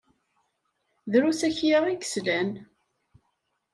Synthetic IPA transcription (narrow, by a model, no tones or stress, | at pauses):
ðɾusæçjaʁiɡə̥slæn